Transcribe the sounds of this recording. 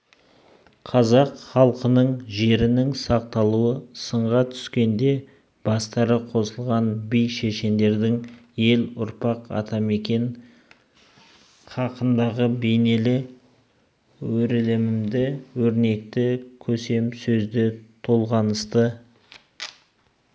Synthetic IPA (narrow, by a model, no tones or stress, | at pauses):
qʰɑzɑqχɑlˠqənəɴʒe̞ɾɪnɪŋsɑq̚t̪ɑlˠuəsəɴʁɑt̪ʰʏ̥skʲe̞nd̪e̞ | b̥ɑst̪ɑɾəqʰo̞səlˠʁɑnbijʃeʃe̞nd̪e̞ɾd̪ɪŋje̞lʊɾpɑqɑ̰t̪ʰɑme̞kʲe̞ɴ | χʰɑqənd̪ɑʁəbe̞jne̞lɪ | wɵɾlɪmɪmd̪ɪwɵɾne̞k̚t̪ɪkʲʰɵse̞msɵzd̪ɪt̪ʰo̞lˠʁɑnəst̪ə